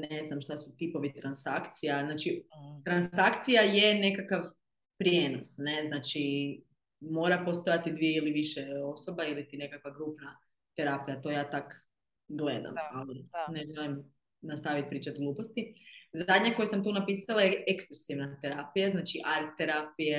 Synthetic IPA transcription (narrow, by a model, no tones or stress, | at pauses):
neznamʃt̪asut̪ipo̞ʋit̪ɾansakt̪sijaznaːt͡ʃit̪ɾansakt̪sijaje̞ne̞kakaʋ | pɾje̞ːno̞sneznaːt͡ʃi | mo̞ɾapo̞st̪o̞jat̪id̪ʋieiliʋiʃeo̞so̞bailit̪ine̞kakʋaɡɾuːpna | t̪eɾapijat̪o̞jaːt̪ak | ɡled̪a̰malineʒelim | nast̪aʋit̪̚pɾiːt͡ʃat̪ɡluːpo̞st̪izad̪ɲako̞jesamt̪uːnapiːsalˠajeʔekskusiʋnat̪eɾaːpijaznaːt͡ʃiʔaɾt̪eɾapije